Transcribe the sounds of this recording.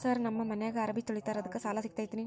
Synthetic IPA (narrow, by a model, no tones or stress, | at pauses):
saːɾnɐmːɐmɐnɛjaːɡɐɐɾɐbʱit̪oɭit̪aːɾɐðɐkːɯsaːlaːsik̚t̪ɐjt̪ini